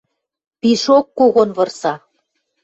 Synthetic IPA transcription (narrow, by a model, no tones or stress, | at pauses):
piʃokːoɣonβɤ̆rsɑ